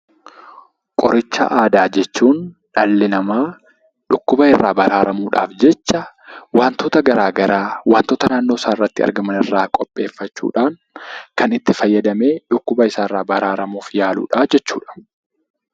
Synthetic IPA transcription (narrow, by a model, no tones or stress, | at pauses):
kʼɔɾɪt͡ʃːɐ̰ʔaːd̪aːd͡ʒɛt͡ʃːuːnᶑɐlːɪnɐmaː | ᶑʊkːʊbɐɪrːa̰ːbɐɾaːɾɐmuːᶑa̰ːfd͡ʒɛt͡ʃːɐ | waːnt̪oːt̪ɐɡɐɾaːɡɐɾaːwaːnt̪oːt̪ɐnaːnːo̞ːsaːɪrːɐt̪ːɪɐ̰ɾɡɐmɐnɪrːaːkʼɔpʼːe̞ːfːɐt͡ʃːṵːᶑaːŋ | kɐnɪt̪ːɪfɐjːɐd̪ɐme̞ːᶑʊkːʊbɐɪsaːɪrːaːbɐɾaːɾɐmuːfjaːlṵːᶑaːd͡ʒɛt͡ʃːṵːᶑɐ̥